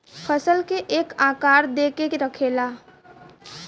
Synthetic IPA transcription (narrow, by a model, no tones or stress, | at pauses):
pʰəsəlkeʔeːkãːkaːɾd̪ekeɾəkʰela